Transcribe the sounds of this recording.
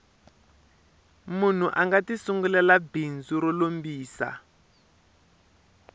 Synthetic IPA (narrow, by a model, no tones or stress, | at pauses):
mun̤uʔaŋɡatisuŋɡulɛlabind͡zuɾɔlombiːsa̰